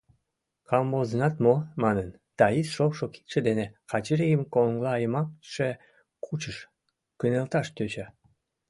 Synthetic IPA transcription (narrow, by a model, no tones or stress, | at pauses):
kɑmbozənɑt̪momɑnən | d̪̥ɑisʃoʃoki̥t̪ʃĕd̪enekɑt͡ɕeɾejəmkoŋɡlɑːjəmɑkʃe | kʰut͡ɕəʃ | kynelt̪ɑʃt̪ʲøt͡ɕɑ